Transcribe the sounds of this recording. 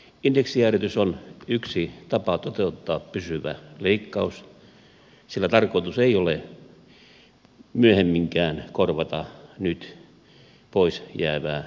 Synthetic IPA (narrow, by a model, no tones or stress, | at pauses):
ind̥eksiæret̪ysonyksit̪ɑpɑt̪ot̪eut̪ːɑːppysyʋæ̰leikːɑus | silːæt̪ɑrkoit̪useiole | myøhemːiŋkæːnkorʋɑt̪ɑnyt̪ | poisjæːʋæː